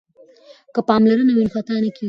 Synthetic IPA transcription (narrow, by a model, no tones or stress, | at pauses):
kəpɑmlaɾənawinxat̪anaki